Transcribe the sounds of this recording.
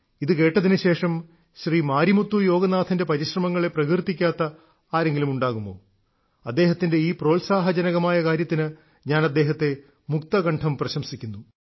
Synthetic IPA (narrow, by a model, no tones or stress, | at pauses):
iðɨke̞ːʈːɐðinɨɕe̞ːʂɐm | ɕriːmaːɾimut̪ːujo̞ːɡɐnaːt̪ʰɐnde̞pɐɾiɕrɐmɐŋːɐɭe̞prɐkirt̪ːikʲːaːt̪ːɐ | aːɾe̞ŋɡilumuɳɖaːɣumːo̞̰ː | ɐd̪ːe̞ːɦɐt̪ːinde̞iːpro̞ːlsaːɦɐd͡ʑɐnɐɣɐmaːjɐkaːɾjɐt̪ːinɨ | ɲaːnɐd̪ːe̞ːɦɐt̪ːe̞ | mukt̪ɐɣɐɳʈʰɐmprɐɕɐmsikʲːunːu